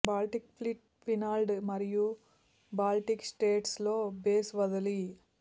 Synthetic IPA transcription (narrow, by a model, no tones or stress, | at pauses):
baːlʈikpʰliʈ | pʰinaːlɖmɐɾiju | baːlʈiksʈeːʈslo̞ːbeːsʋɐd̪ɐli